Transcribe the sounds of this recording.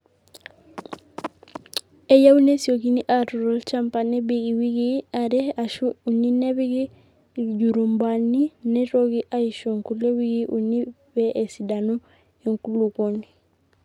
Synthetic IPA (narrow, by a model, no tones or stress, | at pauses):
ejaunesiok̬iniʔatɔɾolt͡ʃampanebeɡiwiɡiaɾɛaʃuuninɛbiɡi | ɟuɾumbaninɛɾoɡiʔaiʃoŋkulewiɡiʔuni | bɛʔesidanu | iŋkulukoni